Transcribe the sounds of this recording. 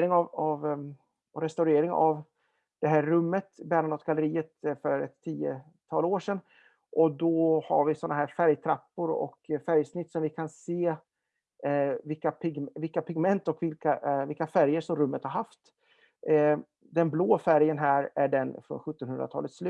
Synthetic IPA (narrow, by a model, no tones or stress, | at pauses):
ɾɪŋavav | ɔɾɛst̪aʉɾeːɾɪŋa̰v | d̪̥ɛɦæːɾːɵmːət̪bænanat̪ɡaləɾiːət̪fœɾɛ̰t̪ʰːiːə̰ | t̪ʰɑːloːʂɛn | ʔɔd̪ɔha̰ɾvɪsɔnːaɦæːɾfæɾjt̪ʰɾapːʊɾɔ̰kfæɾjsnɪt̪ːsɔmvɪkʰanseː | vɪkːapʰɪvɪlkːapʰɪɡmɛnt̪ɔkvɪlkavɪlkːafæɾjəʂɔmɾɵmːət̪haɾɦaft̪ | d̪ɛnbloːfæɾjənɦæːɾæɖɛnfɾɔ̰nɧɵt̪ːɔnɦɵnd̪ɾa̰t̪ʰɑ̰ːlət̪slʉː